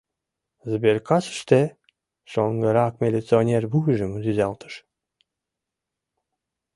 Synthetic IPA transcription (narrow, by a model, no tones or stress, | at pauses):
zəbeɾkɑsə̥ʃt̪e | ʃoŋɡəɾɑkmʲelʲet͡sɨonʲerbuɣʒəmzyzælˠt̪ʰə̥ʃ